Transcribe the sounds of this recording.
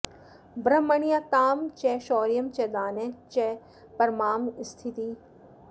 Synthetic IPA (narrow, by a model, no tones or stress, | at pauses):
bɾɐmːɐɳijakaːmt͡ʃɛʃoːɾijɐmt͡ʃɛd̪aːnet͡ʃɛ | pɐɾmaːmst̪ʰit̪i